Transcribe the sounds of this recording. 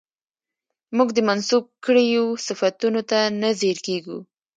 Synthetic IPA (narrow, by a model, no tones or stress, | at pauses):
muɡd̪əmansub̚kəɽejosɪfat̪unot̪anazeɾkeɡu